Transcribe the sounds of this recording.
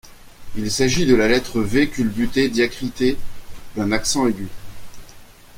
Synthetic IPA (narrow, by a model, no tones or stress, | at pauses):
ilsaʒid̪əlalɛt̪χəvekʲylbyt̪ed̪jakχit̪ed̪ɛ̃naksɑ̃eɡʲy